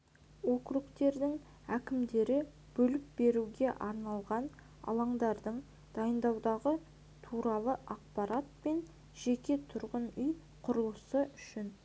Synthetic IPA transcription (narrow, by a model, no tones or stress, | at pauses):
wo̞kɾukt̪e̞ɾd̪ɪŋ | ækʲɪmd̪e̞ɾɪ | b̥ɵlɪp̚be̞ɾuɡʲe̞ʔɑɾnɑlˠʁɑn | ɑ̰lˠɑɴd̪ɑɾd̪əɴ | d̪̥ɑjənd̪ɑwd̪ɑʁə | t̪ʰuɾɑlˠəʔɑq̚pɑɾat̪̚pe̞n | ʒ̥e̞kʲe̞t̪ʰʊɾʁənʏj | qʰʊɾəlˠəsəʏʃɪn